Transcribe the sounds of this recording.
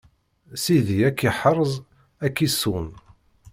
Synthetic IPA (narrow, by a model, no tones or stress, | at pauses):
siðiækːiħəɾˤzˤ | ækːisun